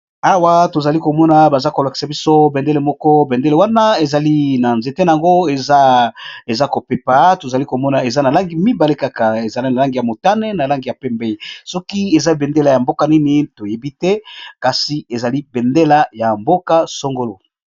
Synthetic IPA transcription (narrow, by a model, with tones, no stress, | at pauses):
a˦wa˦to˨za˨li˦ko˨mɔ˦na˨ba˨za˦ko˨la˨ki̥˨sa˨bi˦so˦bɛ˨nde˦le˨mɔ˦kɔ˦bɛ˨nde˦le˨wa˦na˦e˨za˨li˦na˨nze˨te˦na˨a˨ŋɡo˦e˨za˦e˨za˦ko˨pe˦pa˨to˨za˨li˦ko˨mɔ˦na˨e˨za˦na˨la˦ŋɡi˨mi˦ba˨le˦ka˨ka˨e˨za˨li˦na˨la˦ŋɡi˨ja˨mo˨ta˦ne˦na˨la˦ŋɡi˨ja˨pɛ˦mbe˦i˨sɔ˦ki˦e˨za˦be˨nde˦la˨ja˨mbo˦ka˨ni˦ni˦to˨je˨bi˦tɛ˦ka˨si˨e˨za˨li˦be˨nde˦la˨ja˨mbo˦ka˦so˦ŋɡo˦lo˨